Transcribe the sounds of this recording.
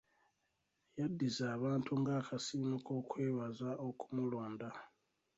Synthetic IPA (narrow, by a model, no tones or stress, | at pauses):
jadːizaːβaːntʰuŋɡaːkʰasimuko̞kweːβazao̞ku̥muloːnda